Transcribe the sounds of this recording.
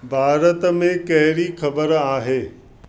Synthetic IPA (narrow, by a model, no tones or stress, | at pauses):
bʱaːɾət̪mẽkɐɦɪɾixɐbəɾaːɦeː